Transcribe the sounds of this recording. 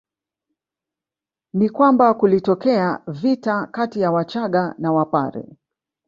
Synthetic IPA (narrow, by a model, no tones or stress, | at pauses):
nikwambakulitɔkɛavitakatijawat͡ʃaɠanawapa̰ɾɛ̰